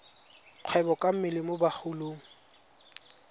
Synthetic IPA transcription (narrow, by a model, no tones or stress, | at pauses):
q͡χʰwɛbɔkʼam̩mɪlɪmʊbaχʰuloːŋ̩